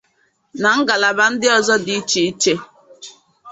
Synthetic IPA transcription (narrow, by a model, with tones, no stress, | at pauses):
na˨ŋ̩˦ɡa˨la˨ba˦n̩˦dɪ˦ɔ˦zɔ˦di˦t͡ʃi˨˦t͡ʃe˦